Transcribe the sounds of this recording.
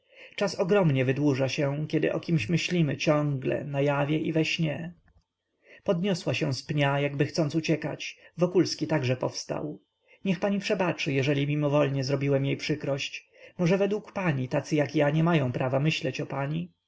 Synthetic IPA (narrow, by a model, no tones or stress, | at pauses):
t͡ʂasɔɡɾɔmɲɛvɘd̪wuʐaɕɛ̃kʲɛd̪ɘ̰ʔɔ̰kʲimɕmɘɕlʲimɘt͡ɕɔ̃ŋɡlɛ̰najavʲjɛʔivɛɕɲɛ | pɔd̪ɲɔswaɕɛ̃spɲajaɡbɘxt̪sɔnt̪ut͡ɕɛka̰t͡ɕvɔkulskʲit̪aɡʐɛpɔfst̪a̰w | ɲɛxpaɲipʂɛbat͡ʂɘjɛʐɛlʲimʲimɔvɔlɲɛzɾɔbʲiwɛmjejpʂɘkɾɔɕt͡ɕ | mɔʐɛvɛd̪wukpaɲit̪at̪sɘjakjaɲɛmajɔ̃w̃pɾavamɘɕlɛt͡ɕɔpaɲi